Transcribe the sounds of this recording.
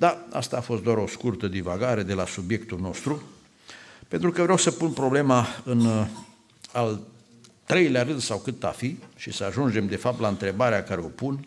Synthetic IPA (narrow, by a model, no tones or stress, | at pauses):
d̪aa̰st̪aːfo̞st̪d̪oaɾo̞skurt̪əd̪ivaɡaɾe̞d̪e̞lasubje̞kt̪ulno̞st̪ɾu | pent̪ɾukəvɾeawsəpunpɾo̞ble̞maɨn | al | t̪ɾe̞jlaɾɨnd̪sawkɨt̪a̰fiʃisəaʒund͡ʒe̞md̪e̞fap̚t̪laɨnt̪ɾe̞baɾeakaɾe̞o̞pun